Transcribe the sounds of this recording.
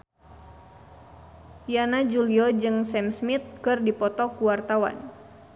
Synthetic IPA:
janad͡ʒuliɔd͡ʒɨŋsɛmsmit̪̚kɨrdipɔt̪ɔkuwart̪awa̰n

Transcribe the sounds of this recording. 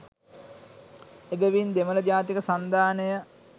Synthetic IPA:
ebeʋind̪emələd͡ʒaːt̪ikəsand̪aːnəjə

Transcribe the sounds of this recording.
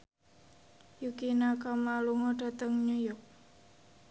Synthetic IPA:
jukinakamlaluŋɔɖ̥a̤t̪əŋɲujɔk̚

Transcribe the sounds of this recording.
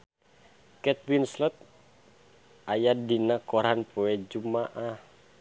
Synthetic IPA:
kɛt̪̚winslɔt̪̚ | ajadinakɔɾanpoɛd͡ʒumaʔah

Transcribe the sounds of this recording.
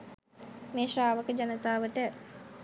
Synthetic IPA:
meːʃraːʋəkəd͡ʒanət̪aːʋəʈə

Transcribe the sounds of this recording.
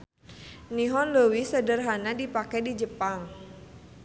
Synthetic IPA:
niɦɔnləwisədərɦanadipakɛdid͡ʒəpaŋ

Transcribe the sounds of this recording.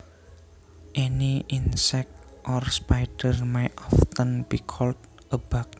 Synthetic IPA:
ʔɛniʔinsɛk̚t̪ʔɔrspajdərmajt̪ɔft̪ənbikʰɔlt̪ | ʔəb̥ak̚

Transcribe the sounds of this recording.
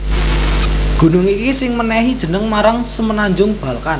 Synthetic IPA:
ɡ̥ṳnʊŋikisɪŋmənɛɦid̥ʒ̥ə̤nəŋmaɾaŋsəmənaɲd͡ʒʊŋb̥a̤lkan

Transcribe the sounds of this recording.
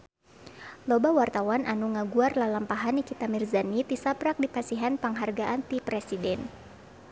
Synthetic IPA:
lobawart̪awanʔanuŋaɡuarlalampaɦanikit̪amirzanit̪isapɾak̚dipasiɦanpaŋɦarɡaʔant̪ipɾɛsidɛn

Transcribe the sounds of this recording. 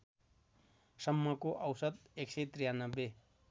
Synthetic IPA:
sʌmːʌkoʔʌwsʌd̪eksʌjt̪rijanʌbːe

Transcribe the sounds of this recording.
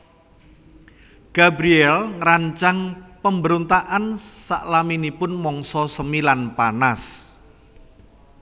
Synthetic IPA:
ɡ̥abɾiɛlŋɾaɲt͡ʃaŋpəmbəɾont̪aʔansaʔlaminipʊnmɔŋsɔsəmilanpanas

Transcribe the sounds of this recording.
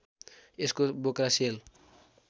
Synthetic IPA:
eskobokɾasel

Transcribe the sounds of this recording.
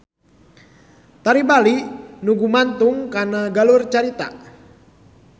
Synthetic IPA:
t̪aɾibalinuɡumant̪ʊŋkanaɡalʊrt͡ʃaɾit̪a̰

